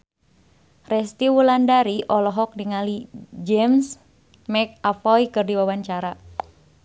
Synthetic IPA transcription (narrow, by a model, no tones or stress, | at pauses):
rɛst̪iwulandaɾiʔɔlɔɦɔk̚diŋalid͡ʒɛms | mɛk̚afɔjkɨrdiwawaɲt͡ʃaɾa